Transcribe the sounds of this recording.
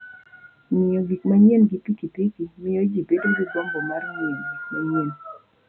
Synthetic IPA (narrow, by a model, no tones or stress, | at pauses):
ɲɪɔwikmaɲɛnɡipikitikimɪod͡ʒibedoduɡɔmbɔmarŋɪɔnmaɲen